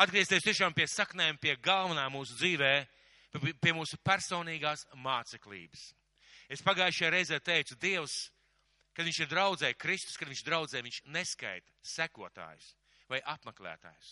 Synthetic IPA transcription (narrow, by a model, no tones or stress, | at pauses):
ad̪̚ɡɾiɛst̪eːst̪iɛʃaːmpiɛsaknɛːjmpiɛɡalˠvɐnaːmuːsud̪ziːvɛː | piɛmuːsupæɾsoːniːɡaːsmaːt̪sɛklˠḭːbəs | espaɡaːjɪʃjaːɾejzɛːt̪ejt̪sud̪iɛws | kad̪viɲt͡ʃɪɾd̪ɾawd̪zɛːjkɾist̪u̥skad̪viɲt͡ʃd̪ɾawd̪zɛːjviɲʃneska̰jt̪ɐ̥sækuɔt̪a̰ːjʊs | vajʔapmeklʲˠæ̰ːt̪a̰ːjʊs